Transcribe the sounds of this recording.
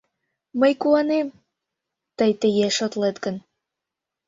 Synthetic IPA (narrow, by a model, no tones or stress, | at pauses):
məjkuɑnem | t̪əjt̪ejeʃot̪let̪ɡə̆n